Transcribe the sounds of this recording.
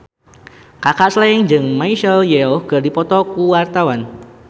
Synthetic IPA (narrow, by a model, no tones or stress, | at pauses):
kakaʔslaɪŋd͡ʒɨŋmaiʃɛljɛɔkərdipɔt̪ɔkuwart̪awan